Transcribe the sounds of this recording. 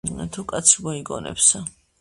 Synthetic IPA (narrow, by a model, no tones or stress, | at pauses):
t̪ʰukʼat̪sʰimɔiɡɔ̰nɛ̰psa